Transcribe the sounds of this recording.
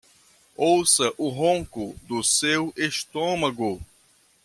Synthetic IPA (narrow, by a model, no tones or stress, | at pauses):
owsɐʔʊɦõkʊd̪ʊseweʃt̪õmɐɡʊ